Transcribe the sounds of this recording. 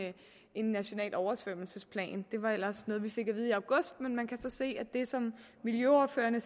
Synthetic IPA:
e̝nːæɕo̝nɛ̰ːlʔɒʊɐsʋøm̰l̩səspʰlɛ̰ːnd̥e̝ʋɑ̈el̰ɐsnɔ̽ːð̞̩ˠʋife̝ɡ̥æʋið̞̩ˠiɑ̈ʊɡ̥ɔ̽sd̥menmænkʰæsɒ̽se̝̰ːæd̥e̝sɒ̽m | miljøɒːfø̰ːɐnə

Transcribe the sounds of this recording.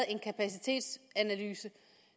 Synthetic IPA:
e̝nkʰæpʰæsit͡sʰe̝̰ːd̥sænælyːsə

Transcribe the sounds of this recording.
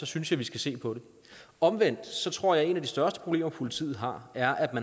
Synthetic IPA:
sɒ̽synsjɑ̈ɪʋisɡ̥æse̝̰ːpʰɒ̽de̝ | ɒ̽mʋen̰d̥sɒ̽t͡sʰʁɔ̝ɐ̰jɑ̈ɪe̝næd̥isd̥ɶɐsd̥ə̥pʰʁo̝b̥le̝̰ːmɐpʰolit͡sʰiːð̩ˠɦɑ̈æɐʔæd̥mæn

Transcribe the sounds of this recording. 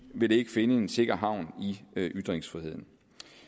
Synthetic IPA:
ʋe̝d̥e̝e̝ɡ̥əfe̝nəe̝nse̝ɡ̥ɐɦɑ̈ʊ̰niʔyd̥ʁeŋsfʁihe̝ð̞̰ˠn̩

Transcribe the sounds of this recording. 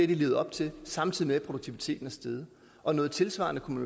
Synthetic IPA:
ed̥ile̝ːʊɒ̽b̥̚t͡sʰe̝lsɑ̈mt͡sʰið̞̰ˠimeæpʰʁo̝d̥oɡ̥̚t͡sʰiʋit͡sʰe̝̰ːd̥n̩æsd̥eð̞ˠ | ʔɒ̽nɔ̽ːð̩ˠt͡sʰe̝lsʋɑ̈nəkʰumn

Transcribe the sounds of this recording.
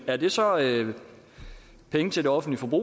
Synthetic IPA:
æɐd̥e̝sɒ̽ø | pʰeŋət͡sʰe̝ld̥e̝ɒ̽fn̩dlifɒb̥ʁṵ

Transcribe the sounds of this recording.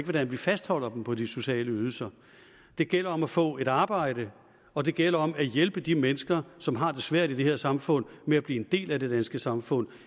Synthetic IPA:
ɡ̥əʋɒd̥ænʋifæsd̥hɒ̽l̰ɐd̥m̩pʰɒ̽d̥iso̝ɕɛ̰ːləyð̞ˠl̩sɐ | d̥e̝ɡ̥el̰ɐɒ̽mæfɔ̰̽ːe̝ɾɑ̈ːb̥ɑ̈ɪ̰ɾ̥ə | ɒ̽d̥e̝ɡ̥el̰ɐɒ̽mæjelb̥əd̥imenəsɡ̥ɐsɒ̽mɦɑ̈d̥e̝sʋæɐ̰ɾ̥id̥e̝he̝ɐ̰sɑ̈mfɔ̽n̰meæb̥liːe̝nd̥e̝̰ːlæd̥e̝d̥ænsɡ̥əsɑ̈mfɔ̽n̰

